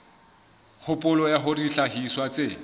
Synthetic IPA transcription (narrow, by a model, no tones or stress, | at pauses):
hʊpʼʊlɔjaɦʊriɬahiswat͡se